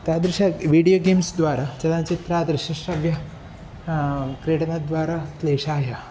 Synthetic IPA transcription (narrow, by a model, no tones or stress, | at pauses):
t̪jad̪ɾiɕaʋiɽijoɡemsd̪ʋaɾat͡ɕɐlãt͡ɕit̪ɾad̪ɾiɕɐʂɐʋjɐ | kɾeʈnad̪ʋaɾat̪leɕaːɦja